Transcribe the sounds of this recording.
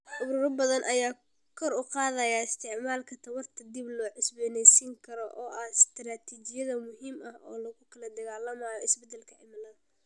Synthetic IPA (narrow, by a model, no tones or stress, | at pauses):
ʔʊɾʊːɾɐbɐðɐnʔɐjaː | kʰɔɾʊqɑːðɐjaːɪst̪ʰɪʕmaːlkʰɐt̪ʰɐwɐrt̪ʰɐd̪iblɔːʕɪsbɛːnɛjsiŋkʰɐɾɔʔɔːʔɐhɪst̪ɾaːt̪ʰiːt͡ʃɪjɐðɐmʊɦiːmɐhɔːlɐɣʊkʰɐlɐd̪ɐɣaːlɐmaːjɔɪsbɛd̪ɛlkʰɐʕɪmɐlɐð